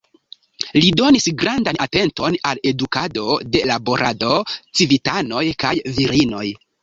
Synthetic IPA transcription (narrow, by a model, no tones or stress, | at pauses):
lido̞nisɡɾandanate̞nto̞nale̞dukado̞de̞labo̞ɾʔado̞t͡sivitano̞jkajviɾino̞j